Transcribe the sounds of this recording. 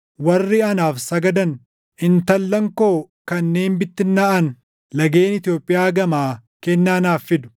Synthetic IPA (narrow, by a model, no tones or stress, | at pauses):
wɐrːɪɐnaːfsɐɡɐd̪ɐn | ʔɪnt̪ɐlːɐŋkoː | kɐnːe̞ːnbɪt̪ːɪnːɐʔɐn | lɐɡe̞ːnɪt̪ɪjo̞ːpʼːɪjaːɡɐmaːkɛnːaːnaːfːɪd̪ʊ̥